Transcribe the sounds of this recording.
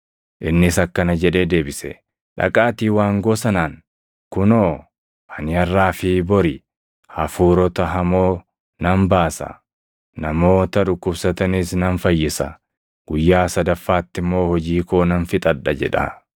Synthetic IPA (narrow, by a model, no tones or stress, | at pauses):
ʔɪnːɪsɐkːɐnɐd͡ʒɛᶑe̞ːd̪e̞ːbɪsɛ̰ | ᶑɐ̰kʼaːt̪iːwaːŋɡo̞ːsɐnaːŋ | kʊnoː | ʔɐnɪɐrːaːfɪbɔɾɪ | hɐfuːɾɔt̪ɐɦɐmoː | nɐmbaːsɐ̰ | nɐmo̞ːt̪ɐᶑʊkːʊbsɐt̪ɐnisnɐnfɐjːɪsɐ̰ | ɡ̥ʊjːaːsɐd̪ɐfːaːt̪ːɪmːo̞ːhɔd͡ʒiːkoːnɐnfɪt̪ʼɐᶑːɐd͡ʒɛ̰ᶑɐ̰